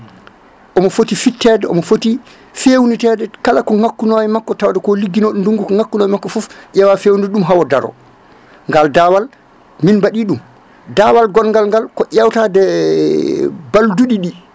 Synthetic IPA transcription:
ʔɔmɔfotifitʰːɛdɛʔɔ̰mɔfoti | fewnitɛːdɛkalakɔŋakːunowɛmakːɔtawadɛkɔliɡːinoɗunduŋɡukɔŋakːunɔːjɛmakːɔfufʔɛwafewndɛɗumɦawɔdaɾɔ̰ | ŋɡaldawal | minbaɗiɗum | dawalɡɔnŋɡalŋɡalkɔʔawtadɛ | balduɗiɗi

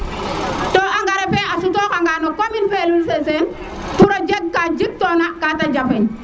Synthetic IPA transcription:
toaŋɡaɾɛpeasutokaŋɡanokominfelulsesen | tuɾod͡ʒeɡ̚kad͡ʒik̚tonakatad͡ʒafen

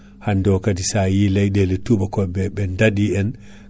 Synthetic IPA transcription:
handokadisajilajdeletubakobɛbɛndadiɛn

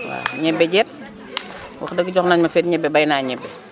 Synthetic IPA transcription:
wa̰ɲɛbːɛɟɛt̚ | wɐ̰xdəɡɟɔxnaɲmɐfɛːtɲɛbːɛbɐjnaːɲɛbːɛ

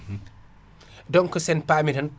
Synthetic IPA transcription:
dɔŋkɔsɛnpamihɐn

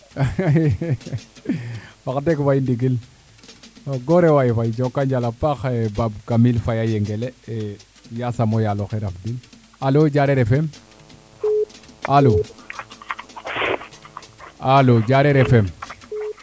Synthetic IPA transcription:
wakdekfajindiɡil | ɡoɾewajfajd͡ʒokːaɲd͡ʒalapaxebabɡamilfajajeŋɡelee | jasamojaloxeɾafdil | alod͡ʒaɾeɾefem | alo | alod͡ʒaɾeɾefɛm

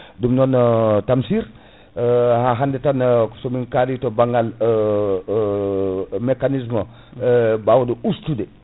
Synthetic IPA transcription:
dumnɔntamsiɾ | haɦandetansomiŋkaditobaŋɡal | mekanizma | bawduustude

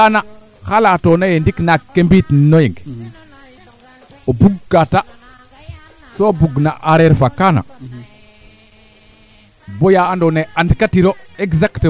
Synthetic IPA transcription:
ana | xalatonajendiknakːembitnojiŋɡ | obuɡːata | sobuɡnaʔaɾeɾfakːana̰ | bojaːndoneandkatiɾoeɡzakt

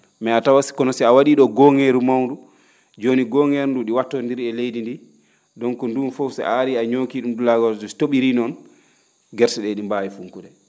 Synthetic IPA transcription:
mɛatawasi̥kɔnɔsiawaɗiːɗɔɡɔŋeɾumawndu | d͡ʒoniɡɔŋeɾnduɗiwatːɔndiɾɛlejdindi | dɔŋkɔndunfowsɛ̰ʔaɾiaɲokiɗumdulaɡɔɾd͡ʒɔsi̥toɓiɾinɔn | ɡɛɾsɛɗɛɗimbajifuŋkuɗɛ

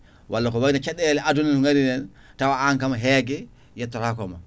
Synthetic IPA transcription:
wʔalːakɔwanat͡ʃaɗɛlɛaduninŋaɾinɛn | tawaaŋkamaɦɛɡɛ | jatːɔɾakɔma

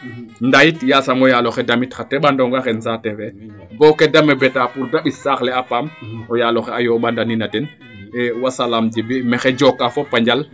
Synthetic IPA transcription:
ndajitjasamɔjalɔxɛdamitxatɛɓandɔŋɡaxɛnsatɛfɛ | bɔkːɛdamɛbɛtapuɾdaɓisaxlɛapamɔjalɔxɛajɔɓandaninatɛn | ɛwasalaːmd͡ʒibimɛxɛd͡ʒɔkːafɔpaɲd͡ʒal

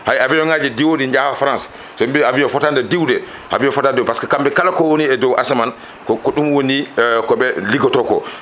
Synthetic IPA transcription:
hajavɛjɔŋad͡ʒɛdiwodiɲd͡ʒaafɾãns | sɔmbɛaviɔfɔtandɛdiwdɛ | ha̰viɔfɔtadɛwpaskakambɛkalakɔwoniɛdɔwʔasaman | kɔkɔɗumwonikɔɓɛliɡɔtɔkɔ̰

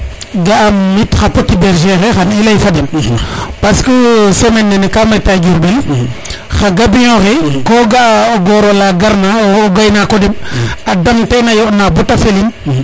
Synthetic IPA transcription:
ɡaːmːitxapotibeɾʒexexanilajfadempaskəsemenːenekametaɡiɾbel | xaɡabijoxekoɡaɡoɾolaɡaɾnaɡajnakodimadamtenajoʔnabotafelin

